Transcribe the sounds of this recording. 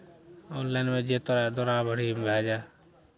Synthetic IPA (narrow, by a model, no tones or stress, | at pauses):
oːnlɛːnmẽːd͡ʒeːt̪ɔɾad̪oɾaːbʱəɽimbʱaːd͡ʒaː